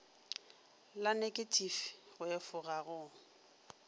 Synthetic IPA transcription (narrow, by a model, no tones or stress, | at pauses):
lanekʼetʰʼifɣʊefʊɣaɣʊ